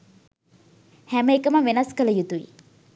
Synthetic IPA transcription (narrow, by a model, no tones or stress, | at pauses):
hæməekəməʋenɐskələjut̪uʋḭ